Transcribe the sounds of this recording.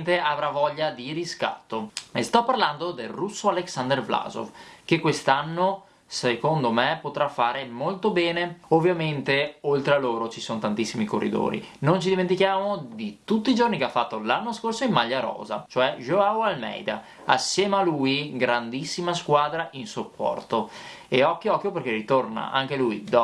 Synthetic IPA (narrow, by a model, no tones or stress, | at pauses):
nt̪eavɾavɔʎːad̪iɾiska̰t̪ːoest̪ɔpːarland̪od̪elrusːoaleksand̪ervla̰zo̰fkekwest̪anːo | sekond̪omepot̪ɾafːaːɾemolt̪obɛːneovːjament̪eolt̪ɾealːoːɾot͡ʃisonot̪ant̪isːimiko̰rːḭd̪o̰ːɾḭnont͡ʃid̪iment̪ikjaːmod̪it̪ut̪ːid͡ʒornikeafːat̪ːolanːoskorsoimːaʎːaɾɔ̰ːza̰t͡ʃoɛʒoawalmɛ̰jd̪a̰ | asːjɛːmaluːjɡɾand̪isːimaskwaːd̪ɾaʔinsopːɔ̰rt̪o | eɔkːjoɔkːjoperkerit̪orna̰ʔa̰ŋk̟elujd̪ɔ